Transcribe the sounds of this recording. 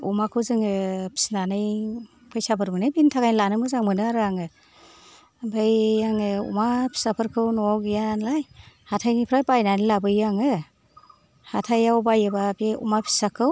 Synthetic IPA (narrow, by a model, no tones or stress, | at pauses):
ṵmakʰɯwzɯŋɯpʰi̥snanɯj | bʰajsapʰɯɾmɯnɯjbintʰakajnlanɯmɯzaŋmɯnɯaɾaŋɯ | bɯjːaŋɯṵmapʰi̥sapʰɯɾkʰɯwnɔɡjanlaj | hatʰajnipʰɾajbajnanilabɯjaŋɯ | hatʰajawbajɯbabeṵmapʰi̥sakʰɯw